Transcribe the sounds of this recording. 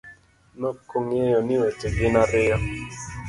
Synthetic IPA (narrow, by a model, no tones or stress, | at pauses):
nɔkoŋejɔnɪot͡ʃeɡɪnaɾɪɔ